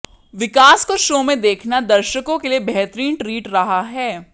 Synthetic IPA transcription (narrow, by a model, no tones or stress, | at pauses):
ʋɪkaːskoʃoːmẽd̪eːkʰnad̪ɐɾʃəkõkeliebɛɦt̪ɾiːnʈɾiːʈɾɐɦaɦɛː